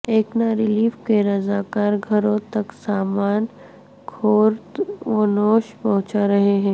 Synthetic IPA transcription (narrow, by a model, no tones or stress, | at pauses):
eːknaɾɪliːfkeɾɐzaːkaːɾɡʱɐɾõt̪ɐksaːmaːn | kʰoːɾt̪ʋɐnoːʃpɐɦʊ̃t͡ʃaɾɐɦeɦɛ̃ː